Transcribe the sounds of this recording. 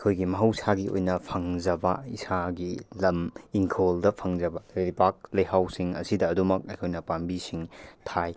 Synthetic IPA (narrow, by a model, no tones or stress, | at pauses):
ɐkʰojɡimɐɦɐwsʰaɡio̰jnɐpʰɐŋd͡ʒɐbɐisaɡilɐmiŋkʰoldɐpʰɐŋd͡ʒɐbɐɾeɾipak̚lɐjɦawsiŋɐ̰sidɐːdumɐk̚ɐjkʰojnɐpambisiŋtʰaj